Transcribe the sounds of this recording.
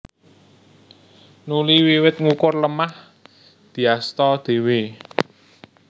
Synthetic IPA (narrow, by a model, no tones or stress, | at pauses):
nuliwiwɪt̪̚ŋukʊrləmah | d̪̥i̤ast̪ɔd̪̥e̤we